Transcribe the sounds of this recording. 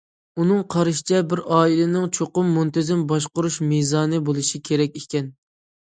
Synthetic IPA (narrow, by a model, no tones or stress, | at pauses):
unɨŋqʰɑɾɨʃi̥t͡ʃʰɛbɪɾɑːilɪnɪŋt͡ʃʰoqʊmːunt̪ɪzɪmbɑʃqʊɾuʃmizɑːnɨbolˠɨʃikʲʰeɾɛkʲekʲɛn